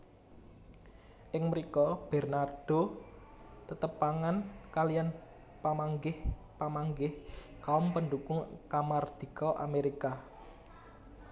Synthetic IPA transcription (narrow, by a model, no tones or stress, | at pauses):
ʔɪŋməɾikɔb̥ɛ̤rnard̥o̤ | t̪ət̪əpaŋankalijan | pamaŋɡɪh | pamaŋɡɪh | kaʊmpənɖukʊŋkamard̪̥i̤kɔʔa̰meɾika